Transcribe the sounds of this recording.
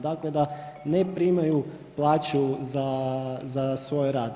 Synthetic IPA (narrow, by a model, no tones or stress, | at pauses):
d̪akled̪a | nepɾimaju | plˠaːt͡ɕuzazasʋo̞jɾaːd̪